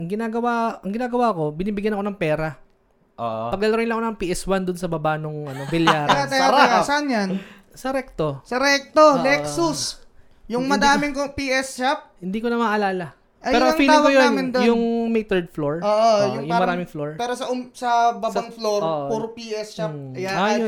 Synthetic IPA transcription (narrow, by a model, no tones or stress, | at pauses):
ʔɐŋɡɪnaːɡɐwaʔɐŋɡɪnaːɡɐwaːko̞bɪniːbɪɡjɐnɐko̞nɐŋpɛːɾɐ | ʔoʔpɐɡ̚lɐlɐɾɪnlɐŋkonɐŋpiːʔɛswand̪ʊnsɐbɐbanoŋʔɐnobɪljaːɾat̪ɐjaasɐʔanjɐn | sɐɾɛk̚t̪o̞sɐɾɛk̚t̪olɛsʊs | jʊŋmɐd̪aːmɪŋkopiʔɛst͡ʃap̚hɪnd̪iːkonɐmɐʔɐlaːlɐ | pʔɐɛːɾoɐŋpiːlawɐojonamɪnd̪ojʊŋmɛjt̪ɛɹd̪̚floɹoʔojʊŋjʊŋmɐɾaːmɪŋfloɹpɛːɾosɐʊsɐbabaŋfloɾoːpuːɾopiʔɛst͡ʃapːɐjaːajo